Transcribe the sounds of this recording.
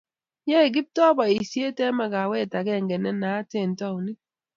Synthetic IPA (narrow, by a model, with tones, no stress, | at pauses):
jɛ˦˨ɡ̬i˦p̚tɔ˦ba˨i˨sje˦tɛ˦ma˦˨ka˨wɛ˦˨ta˨kɛ˦˨ŋɡɛ˨nɛ˦na˨˦tɛ˦˨n˨tɔ˦˨wnɪ˦